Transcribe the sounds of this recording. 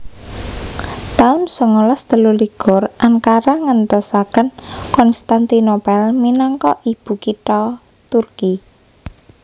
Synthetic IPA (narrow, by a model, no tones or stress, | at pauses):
t̪aʊnsəŋɔlɔst̪əluliɡ̥ʊrʔaŋkaɾaŋənt̪ɔsakənkɔnst̪ant̪inopɛlminɔŋkɔʔib̥ṳkit̪ɔ | t̪urki